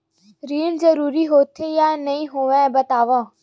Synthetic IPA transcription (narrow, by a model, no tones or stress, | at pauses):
ɾiːnzəɾuːɾiːɦoːt̪ʰeːjaːnəĩːɦoːʋɛ̃ːbət̪aːʋãː